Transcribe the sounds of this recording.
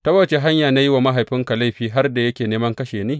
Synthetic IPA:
tɐ˦wɐ˦t͡ʃe˨ɦa˦ɲjaː˨na˦ji˦waː˨ma˦ɦa˨jɸɪ˦ŋka˨la˦jɸiː˦ɦa˦rda˨jɐ˦kʲeː˨neː˦mɐ˦ŋkɐ˦ʃeː˨niː˦

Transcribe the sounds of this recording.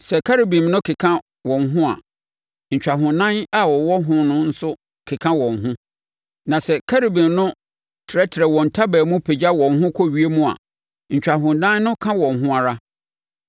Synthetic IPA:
sɛ˨kʰa˦ɾe˨bĩ˨mnʊ̃˦kʰɪ˨kʰã˦ | wɔ̃˨nɦʊ̃˦a̰˨ | ɲ̩˨t͡ɕᶣa˨ɦʊ̃˨nã˦na˨wɔ˨wɔ˦ɦʊ̃˦nʊ̃˦n̩˦sʊ˦ | kʰɪ˨kʰã˦wɔ̃˨ŋ̩ɦʊ̃˦ | nã˨sɛ˨kʰa˦ɾe˨bĩ˨mnʊ̃˦ | tʰɪ˨ɾɛ˦tʰɪ˨ɛ˨wɔ̃˨n̩˨tʰa˦bæː˨mũ˦pʰe˨d͡ʑa˦wɔ̃˨ŋɦʊ̃˦kʰɔ˦ɥi˦e˦mũ˦a̰˨ | ɲ̩˨t͡ɕᶣa˨ɦʊ̃˨ndãː˦nnʊ̃˦kʰã˦wɔ̃˨n˨ɦʊ̃˦a˨ɾa˦

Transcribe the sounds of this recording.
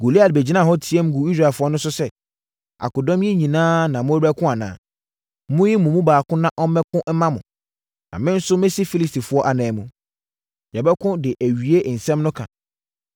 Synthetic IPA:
ɡo˨li˦a˨dbɛ˨d͡ʑi˦nã˦˨ɦɔ˦tʰi˨ɛ˦m˦ɡu˨i˦s̬ɾa˨ɛ˨fʊ˦ɔ˦nʊ̃˦sʊ˦sɛ˦ | a̰˨kʊ˨dɔ̃˦m˦jɛ̃˦ɲĩ˨nãː˦nã˨mʊ̃˦ɾæ˦kʰʊ̃˦a˨nã̰ː˨ | mʊ̃˦ji˦mʊ̃˨mũ˦baː˨kʰʊ̃˦nã˦ʔɔ˦mɛ̃˦kʰʊ̃˦m̩˦mã˦mʊ̃˨ | nã̰˨mɪ̃˦n̩˦sʊ˦mɪ̃˦si˦fi˦li˦sti˨fʊ˨˦ɔ˦ʔa˨nɛ̃ː˨mũ˨ | ɲɛ˨bɛ˦kʰʊ̃˦dɪ˨ʔæ˨ɥi˨e˦˨n̩˨sɛ̃˦mnʊ̃˦kʰã̰˨

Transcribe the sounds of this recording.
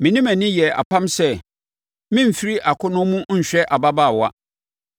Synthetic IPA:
mɪ̃˨nĩ˦mæ̃˨nɪ̃˦jɛ˨a̰˨pʰã˦msɛ˦˨ | mɪ̃˦m̩˨fi˦ɾi˦ʔa˨kʰʊ˦nʊ̃˦mũ˦ɲ̩˨ɕᶣɛ˦ʔa˨ba˦baː˦˨wa̰˦

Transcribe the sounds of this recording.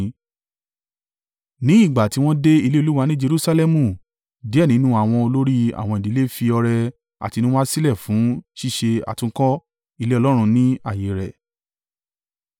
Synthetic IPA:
nĩ˨˦i˦˨ɡ͡ba˨ti˨˧˦w̃ɔ̃˦de˦i˧le˦o˧lu˦wa˧nĩ˦d͡ʒe˧ɾu˦sa˧lɛ˦mũ˦˨ | di˨˦ɛ˦˨nĩ˨˦nũ˦a˦˨w̃ɔ̃˧o˧lo˦ɾi˦a̰˦˨w̃ɔ̃˧i˨di˨˦e˦fi˧ɔ˧ɾɛ˧ | a̰˨ti˧nũ˦a˦si˦lɛ˦˨fũ˨˦ʃi˦˨ʃe˧a̰˨tũ˧˦kɔ˦ | i˦˧le˦ɔ˧lɔ˦ɾ̃ũ˧nĩ˦a˨je˨ɾɛ̰˨

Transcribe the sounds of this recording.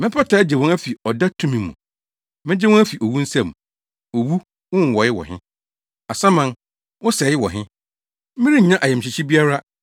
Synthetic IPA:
mɪ̃˦pʰa˦tʰa˨˦d͡ʑɪ˨wɔ̃˦næ˦fi˨ɔ˨da˦tʰũ˦mĩ˨˦mṵ̃˨ | mɪ̃˦d͡ʑɪ˦wɔ̃˦æ˦fi˨ʔo˨wu˦n̩˦sã˦˨m | o˨wu˦ | wʊ̃˦n˨wɔ˨jɪ˦wɔ̰˨ɦɪ̃˦ | a˨sa˦mã˨n | wʊ̃˦sɛ˨˦ɪ˦wɔ̰˨ɦɪ̃˦ | m̩˦mɪ̃˦ɾĩ˦ɲ̩˨ɲã˦ʔa˨jɛ˨m̩˨ɕɪ˨t͡ɕʰi˦bi˦a˦ɾa˦

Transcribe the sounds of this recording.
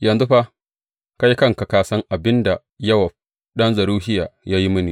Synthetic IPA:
jɐ˨nzu˦ɸa˦ | ka˦ji˦kɐ˦ŋka˨kaː˦sɐ˦ŋʔa˨bɪ˦nda˨ | jɐ˦wa˨ | ɗɐ˦nzɐ˨ɾuː˦hɪ˦ja̰ː˨ja˦ji˦mʊ˦niː˨

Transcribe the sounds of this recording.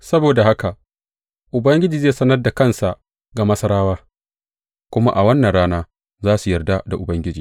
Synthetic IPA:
sɐ˦boː˨da˨ha˦ka˨ | ʔʊ˨bɐ˦ŋɡʲɪ˦d͡ʒiː˨zeː˦˨sɐ˦nɐ˦rda˨kɐ˦˨nsa˨ʔ | ɡa˨mɐ˦sɐ˦ɾaː˦waː˦ | kʷʊ˦ma˦ʔa˨wɐ˦nːɐ˨nɽaː˦naː˦ | zaː˦su˨jɐ˨rda˦da˨ʔʊ˨bɐ˦ŋɡʲɪ˦d͡ʒiː˨

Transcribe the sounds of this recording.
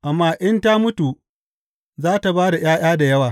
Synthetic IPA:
ʔa˨mːaː˦ʔɪ˦nta˦mʊ˦tu˨ | zaː˦ta˨baː˦da˨j̰aː˦j̰aː˦da˨jɐ˦waː˨

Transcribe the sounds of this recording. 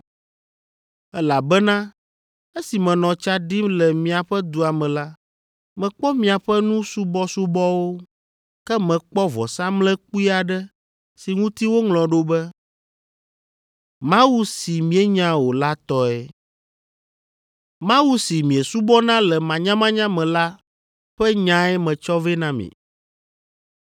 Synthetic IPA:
ɛ˦la˨bɛ˦nã˦ | e˦si˨mɛ̃˨nɔ̃˨t͡ʃa˦ɖi˦mlɛ˨mĩ˨a˨ɸɛ˦d̪u˦a˨mɛ̃˨la˦ | mɛ̃˨k͡pɔ˦mĩ˨a˨ɸɛ˦nũ˦su˦bɔ˦su˦bɔ˦wo˦ | kɛ˦mɛ̃˨k͡pɔ˦vɔ̰˨sa˦mlɛ̃˦k͡pu˦i˦a˨ɖɛ˦ | si˨ŋũ˦t̪i˦wo˦ŋlɔ̃˨ɖo˦bɛ˦ | mã˦wu˦si˨mĩ˨ɛ˦ɲã˦wo˨la˦t̪ɔ˦ɛ˦ | mã˦wu˦si˨mĩ˨e˨su˦bɔ˦nã˦lɛ˨mã˨ɲã˦mã˦ɲã˦mɛ̃˨la˦ | ɸɛ˦ɲã˦ɛ˦mɛ̃˨t͡ʃɔ˦vɛ˦nã˦mḭ̃˨

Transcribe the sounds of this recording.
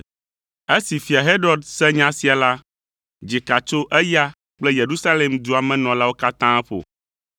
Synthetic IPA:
e˦si˨fi˨a˨ɦe˦ɖɔ˦˨ɖsɛ˦ɲã˦si˨a˨la˦ | d͡ʒi˨ka˨t͡ʃo˦ʔɛ˦ja˦ | k͡ple˦je˨ɾu˦sa˦le˨md̪u˦a˨mɛ̃˦nɔ̃˨la˦wo˦ka˦t̪ã˦ɛ˦ɸo̰˨

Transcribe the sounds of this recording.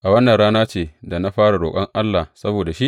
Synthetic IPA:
ʔa˨wɐ˦nːɐ˨nɽaː˦naː˦t͡ʃeː˨da˨na˦ɸaː˦ɽa˨ɽoː˨kʼɐ˦ŋʔa˦lːa˨sɐ˦boː˨da˨ʃi˦ʔ

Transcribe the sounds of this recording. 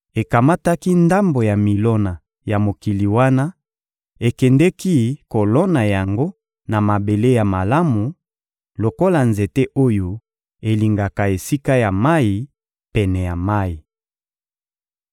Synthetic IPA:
e˨ka˨ma˦ta˦ki˦nda˦mbo˨ja˨mi˨lɔ˦na˨ | ja˨mo˨ki˨li˨wa˦na˦ | e˨kɛ˨ndɛ˦ki˦ko˨lɔ˦na˨ja˨ŋɡo˦ | na˨ma˨be˨le˦ja˨ma˨la˦mu˨ | lo˨ko˦la˨nze˨te˦ʔo˦jo˨ | e˨li˨ŋɡa˨ka˨e˨si˦ka˦ja˨ma˦i˨ | pɛ˨nɛ˨ja˨ma˦ji˨

